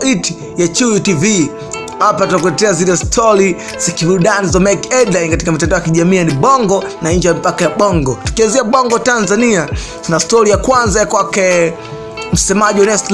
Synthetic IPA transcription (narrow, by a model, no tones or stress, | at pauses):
it | jat͡ʃuutivi | hapatutak̬ulɛtɛazilɛstʰɔɾi | zakiɓuɗanizɔmɛkɛdlajnkati̥kamitɛndaɔjakiʄamiːjaniɓɔŋɡɔnaɲ̩d͡ʒɛjamipakajaɓɔŋɡɔtu̥kianziaɓɔŋɡɔtanzania | tunastɔɾijakwanzajakwakɛ | m̩sɛmaʄiɔnɛstl